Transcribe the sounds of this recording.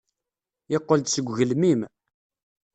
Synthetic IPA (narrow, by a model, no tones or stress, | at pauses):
ɪqːəld̪səɡʷʝəlmim